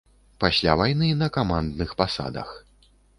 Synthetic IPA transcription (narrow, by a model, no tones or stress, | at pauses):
pasʲlʲa̰vajnɨnɐkamand̪nɨxpasa̰d̪ɐ̰x